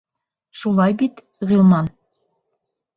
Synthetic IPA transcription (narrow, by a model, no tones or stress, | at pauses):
ʃulˠɑjbit̪ | ʁĭlˠmɑn